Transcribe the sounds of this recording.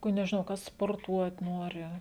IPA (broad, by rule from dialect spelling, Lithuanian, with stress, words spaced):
kʊ nʲɛʒʲɪˈnɐʊ ˈkɐs spoːrˈtuɔt ˈnoːrʲɪ